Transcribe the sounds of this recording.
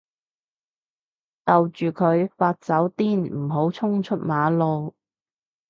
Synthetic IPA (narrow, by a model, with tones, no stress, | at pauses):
t̪ɐ˨wt͡ʃyː˨kʰɵ˨˧ɥfaː˧t̚t͡sɐ˨˥wt̪iː˥nm̩˨˩ɦo˨˥wt͡sʰʊ˥ŋt͡ʃʰɵ˥t̚maː˨˧lo˨˧w